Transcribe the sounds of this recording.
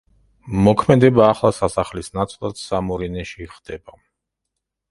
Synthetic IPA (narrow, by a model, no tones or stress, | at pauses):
mɔkʰmɛd̪ɛbaːχlˠasasaχlisnat̪sʼlˠad̪̥samɔɾinɛʃiχd̪ɛba